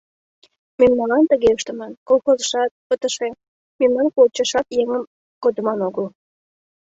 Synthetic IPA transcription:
memnɑlɑnt̪əɣeəʃt̪ə̆mɑnkolˠxozəʃɑt̪̚pət̪əʃe | memnɑnpolt͡ɕəʃɑt̪jeŋəm | kod̪əmɑnoɣəl

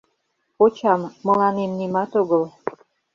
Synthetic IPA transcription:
pot͡ɕɑmːə̆lɑnemnimɑt̪oɣəl

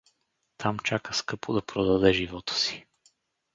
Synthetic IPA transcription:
t̪ʰamt͡ʃakəskɤpod̪ɐpɾod̪ɐd̪ɛʒivɔt̪ə̥si̥

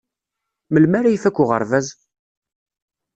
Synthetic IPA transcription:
məlmæɾajfækʷːʊʁə̰ɾˤvæz

